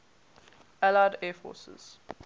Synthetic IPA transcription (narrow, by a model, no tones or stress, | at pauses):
ælaɪdɛːfɔ̰ːsə̰z̥